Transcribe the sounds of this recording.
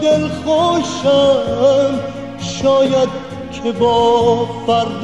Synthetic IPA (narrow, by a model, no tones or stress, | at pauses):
d̪elχoʃa | m | ʃɔːjad̪̚ | kʲʰebɔːfæɾd̪